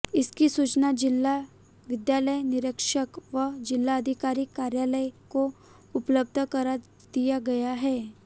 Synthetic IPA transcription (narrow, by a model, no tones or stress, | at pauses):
ɪskisuːt͡ʃnad͡ʒɪlːa | ʋɪd̪jaːləjnɪɾəkʃəkʋəd͡ʒɪlːaəd̪ʱɪkaːɾikːaːɾjaːləjko | ʊpləb̚d̪ʱəkɐɾa | d̪ijaɡɐjaɦɛː